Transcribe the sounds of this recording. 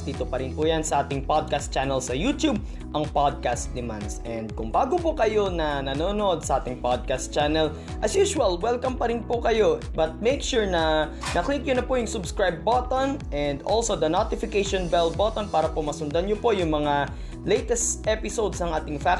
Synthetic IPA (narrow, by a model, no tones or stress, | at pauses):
d̪iːt̪opɐɾɪnpujansɐʔaːt̪ɪŋpad̪̚kast̪t͡ʃanɛlsɐjuːt̪jub̚ | ʔɐŋpad̪̚kast̪d̪ɪma̰nd̪sʔɛnd̪̚kʊŋbaːɡopʊkɐjo̞nɐnɐnoːno̞d̪̚sɐʔaːt̪ɪŋpad̪̚kast̪t͡ʃanɛl | ʔɐsjuːʃʊɐlwɛlkɐmpɐɾɪnpʊkɐjo̞ | bɐt̪̚mejkʃuɹnɐ | nɐklik̚ɲʊnɐpʊjʊŋsʊbskɹajb̚ːot̪onʔɛnd̪ʔolso̞d̪ɐnot̪ɪfɪkejʃonbɛlbot̪onpaːɾɐpomɐsʊnd̪ɐnɲopo̞jʊŋmɐŋa | lejt̪ɛst̪ʔɛpɪsod̪snɐ̃ŋʔaːt̪ɪŋfa